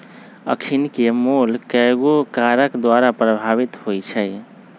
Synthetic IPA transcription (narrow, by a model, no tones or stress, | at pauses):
ə̰kʰinkemolkɛɡokaɾəkd̪waɾapɾəbʱaβit̪hojt͡ʃʰəj